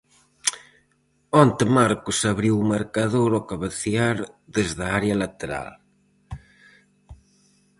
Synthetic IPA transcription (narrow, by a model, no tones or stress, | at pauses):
ɔnt̪emaɾkʊsaβɾiwumaɾkaðowɾɔkaβaθiaɾðezðaaɾealat̪eɾa̰l